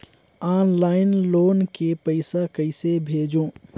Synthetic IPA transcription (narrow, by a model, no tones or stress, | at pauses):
aːnlaːɪnloːnkepɐɪsakɐɪsebʱeːd͡ʒõː